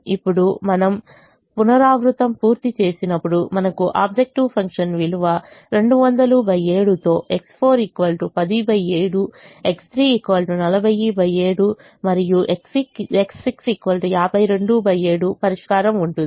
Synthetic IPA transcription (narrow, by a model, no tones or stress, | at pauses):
ipːuɽumɐnɐm | punɐɾaːʋɾut̪ɐmpuːɾt̪it͡ʃe̞ːsinɐpːuɽumɐnɐkuʔaːbd͡ʒek̚ʈiʋpʰɐŋkʂɐnʋiluʋɐɾe̞ɳɖuʋɐnd̪ɐlubʱɐjeːɽut̪o̞ːʔe̞kspʰo̞ːɾikʋɐlʈupɐd̪ibʱɐjeːɽue̞kst̪ɾiːikʋaːlʈunɐlɐbʱɐjibʱɐjeːɽu | mɐɾijuʔeksikeksiksikʋɐlʈijaːbʱɐjɾe̞ɳɖubʱɐje̞ːɽupɐɾiʂkaːɾɐmuɳʈund̪i